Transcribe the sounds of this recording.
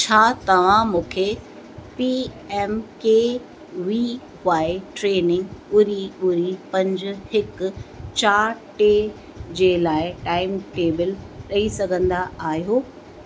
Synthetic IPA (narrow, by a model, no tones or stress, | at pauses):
t͡ɕʰaːt̪ɐʋ̤ãmũːkʰe | pi | ɛːmke | ʋi | ʋaːɪʈɾeːnɪ̃ŋɡʊɾiʊɾipɐ̃ɲd͡ʑʊ̆hɪkt͡ɕaːɾʈeː | d͡ʑeːlaːɪʈaːɪmʈeːbɪlɗɐisɐɡʱə̃nd̪aaːɦijoː